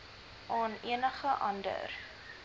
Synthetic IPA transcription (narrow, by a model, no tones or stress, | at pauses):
ʔɑːniənəχəʔɐndə̰r